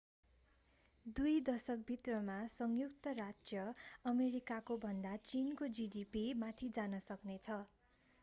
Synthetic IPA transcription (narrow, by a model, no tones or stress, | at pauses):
d̪ujd̪ʌsʌk̚bʱit̪rʌmasʌŋjukt̪ʌrad͡zjʌʌmeɾikakobʱʌnd̪at͡sinkod͡ziɖipimat̪ʰid͡zanʌsʌknet͡sʰʌ